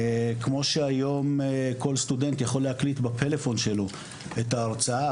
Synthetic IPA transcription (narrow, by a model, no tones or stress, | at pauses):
kmo̞ʃeajo̞mko̞lst̪ude̞nt̪jaχo̞leaklitbepʰe̞le̞fo̞nʃe̞lo | etaːʁt͡saa